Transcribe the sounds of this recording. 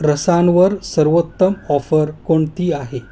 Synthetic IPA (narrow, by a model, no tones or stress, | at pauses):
ɾəsanʋəɾsəɾʋot̪ːəmɔfəɾkoɳt̪iːaɦe